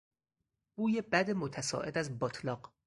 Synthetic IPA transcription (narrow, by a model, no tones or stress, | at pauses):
b̥uːjebæd̪emot̪ʰæsɒ̰ːʔed̪æzbɒt̪ʰlɒːq